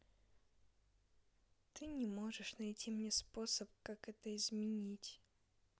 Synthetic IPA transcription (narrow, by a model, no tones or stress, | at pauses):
t̪ɨnʲɪmo̞ʐɨʂnɐjtʲimnʲespo̞səp̚kakɛt̪əɪzmʲɪnʲitʲ